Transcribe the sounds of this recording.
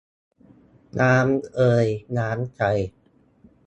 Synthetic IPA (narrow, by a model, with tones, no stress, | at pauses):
nʔaː˦˥mʔɤː˧jnaː˦˥mt͡ɕʰa˧j